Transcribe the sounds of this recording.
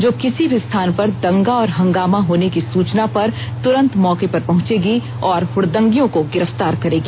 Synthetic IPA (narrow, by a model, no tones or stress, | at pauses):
d͡ʒoːkɪsibʱist̪ʰaːnpɐɾd̪ɐ̃ŋɡaɔːɾɦɐ̃ŋɡaːmaɦoːnekisuːt͡ʃnapɐɾ | t̪ʊɾə̃nt̪mɔːkepɐɾpɐɦʊ̃t͡ʃeːɡi | ɔːɾhʊɽd̪ə̃ŋɡijõkoɡɪɾəft̪aːɾkɐɾeːɡi